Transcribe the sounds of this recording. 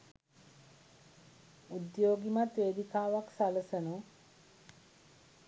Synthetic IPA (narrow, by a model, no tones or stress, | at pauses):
ud̪joːɡimat̪ʋeːd̪ikaːʋaksaləsənu